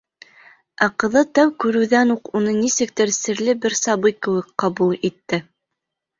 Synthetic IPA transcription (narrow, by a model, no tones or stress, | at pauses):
æqɤ̆ðɤt̪æwkʉɾɘ̆wðænuqunɤnisɘ̆k̚t̪ɘɾsɘ̆ɾlɘbɘɾsɑbɤjkɘ̆wɘk̚qɑbulˠit̪ːɘ